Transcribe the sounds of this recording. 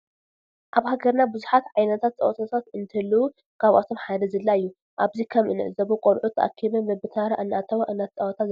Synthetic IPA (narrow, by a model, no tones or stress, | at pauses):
ʔaβhaɡɐɾnabɨzuħat̪ʕajnɐt̪ʰat̪̚t͡sʼɐ̰wɐt̪ʰat̪ʰat̪ɨnt̪ʰɐlːuu | kʰaβʔat̪ʰo̞mħalɐzɨlːaɨjːu | ʔaβzikʰɐmʔɨ̰nɨ̰ʕzɐβukʼolʕut̪ʰːɐʔa̰kʰːiβɐmbɐbɨt̪ʰaɾaʔɨnːʔat̪ʰɐβaʔɨnːɐt̪t͡sʼɐwɐt̪ʰaz